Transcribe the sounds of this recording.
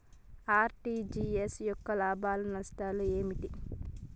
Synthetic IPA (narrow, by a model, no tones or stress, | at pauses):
aːɾʈiːd͡ʒiesjɔkːɐlaːbaːlunɐsʈaːlue̞ːmiʈ̪i